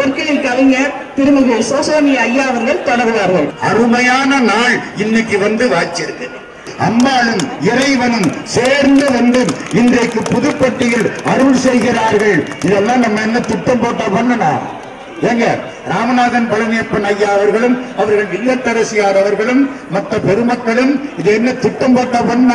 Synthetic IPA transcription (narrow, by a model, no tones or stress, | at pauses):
pɐɾkːɐjɪlkɐlɐŋɐ | t̪ɪɾɯmɐɣesoːsoːnɪjɐɐjːaːʋɐɾɣɐɭt̪ɐɽɐɾɯjaːɾɣɐɾɐɐɾɯmɐjaːnɐnaːɭɪnːɪkːɯʋɐnd̪ɯʋaːt͡ʃːɪɾɯkːɐn | ɐmːaːlɯmɪɾɐɪʋɐnɯmseːɾnd̪ɯʋɐnd̪ɯmɪndrɐɪkːɯpːʊðɯpːɐʈːɪjɪlɐɾɯɭsɛjɣɪɾaːɾɣɐɭɪðɛlːãːnɐmːɐɛnːɐt̪ɪʈːɐmpoːʈːɐpːɐnːɐna̰ː | eːŋɡɐ | ɾaːmɐnaːðɐnpɐɻɐnɪjɐpːɐnɐjːaːɐʋɐɾɣɐɭɯmɐʋɐɾɣɐɭʋɪlːɐt̪ːɐɾɐsɪjaːɾɐʋɐɾɣɐɭɯmː | ɐt̪rɐpɛɾɯmɐkːɐɭɯmɪðɯɛnːɐt̪ɪʈːɐmpoːʈːɐpːɐnnː